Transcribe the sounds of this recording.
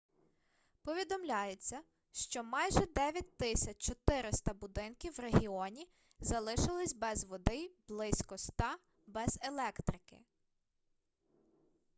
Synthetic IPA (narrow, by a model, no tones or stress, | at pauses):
pɔʋʲid̪ɔmlʲajet͡sʲːɐ | ʃt͡ʃɔmɑjʒɛd̪ɛʋʲjɐt̚ʲt̪ɪsʲɐt͡ʃt͡ʃɔt̪ɪɾɪst̪ɐbʊd̪ɪnkʲiwreɦʲiɔnʲi | zɐlˠɪʃɪlˠɪsʲbɛzʋɔd̪ɪblˠɪsʲkɔst̪ɑ | bɛzelˠɛkt̪ɾɪkɪ̰